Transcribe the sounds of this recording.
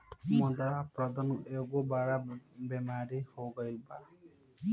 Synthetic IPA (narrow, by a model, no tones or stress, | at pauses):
mɔd̪ɾapɾɔd̪aneɡobaɾabemaɾihoɡɔjlba